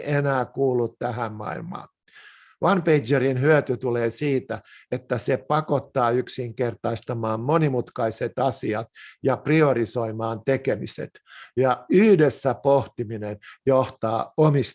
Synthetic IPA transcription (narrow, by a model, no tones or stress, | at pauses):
ʔenæːkuːlːut̪t̪æɦæmmɑ̰ḭlmɑ̰ː | ʋɑnpeid͡ʒerinhyøt̪yt̪uleːsiːt̪æet̪ːæsepɑkot̪ːɑːyksiŋkert̪ɑist̪ɑmɑːmmonimut̪kɑiset̪ɑsiɑt̪jɑpriorisoimɑːnt̪ekemisḛt̪jɑyhdesːæpoht̪iminenjoht̪ɑːomis